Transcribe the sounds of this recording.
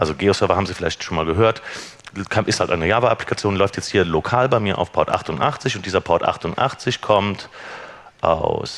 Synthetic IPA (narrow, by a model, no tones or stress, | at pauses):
ʔalzoɡeːosœɐvɐhaːmziːfɪlaɪçtʃoːnmaːlɡəɦøːɐtkʰanʔɪsthaltʔa̰ɪnəjaːvaʔapli̥kʰat͡sjoːnlɔʏftjɛt͡sthiːɐlokʰaːlbaɪmiːɐʔaʊfpʰɔɐtʔa̰χtʊntʔa̰χt͡sɪçʊntd̥iːzɐpʰɔɐtʔa̰χtʊntʔa̰χt͡sɪçkʰɔmt | ʔa̰ʊs